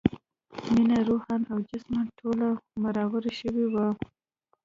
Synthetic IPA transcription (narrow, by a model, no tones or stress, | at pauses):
minaɾohɑnawd͡ʒasmaʈʰolamaɾɑwaɾʃəwewa